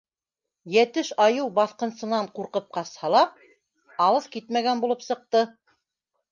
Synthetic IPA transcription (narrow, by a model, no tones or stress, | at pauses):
jæt̪ɘʃɑjɤwbɑθqɤ̆nsɤ̆nɑɴquɾqɤp̚qɑshɑlˠɑ | ɑlˠɤðkit̪mæɡænbulˠɤpsɤ̆q̚t̪ɤ